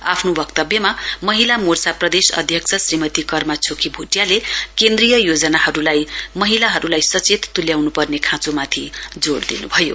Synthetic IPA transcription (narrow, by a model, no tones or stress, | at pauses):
a̰pʰnobʌkt̪ʌbjʌmamʌɦilamorsaprʌd̪esʌ̰d̪ʱjʌksʰʌsrimʌt̪ikʌrmat͡sʰokʰibʱuʈjalekend̪rijʌjod͡zʌnaɦʌɾulajmʌɦilaɦʌɾulajsʌt͡set̪t̪ːuljawnupʌrnekʰãt͡somat̪ʰid͡zoɽd̪ḭnṵbʱʌjo